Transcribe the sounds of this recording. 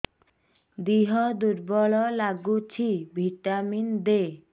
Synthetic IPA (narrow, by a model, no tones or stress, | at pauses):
d̪iɦɔd̪uɾbɔɭɔlaɡut͡ɕʰibʱiʈamind̪e